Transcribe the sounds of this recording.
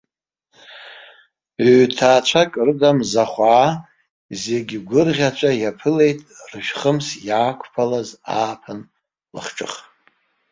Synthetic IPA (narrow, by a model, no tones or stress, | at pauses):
tʰaːt͡ʃʷʰakʼrɨdamzaχʷaː | zeɡʲiɡʷʊrʁʲat͡ʃʷʰʼajapʰɨle̞jtʼrɨʃᶣχəmsjaːkʷʰpʰalazaːpʰan | la̰χʈ͡ʂʼɨ̰χ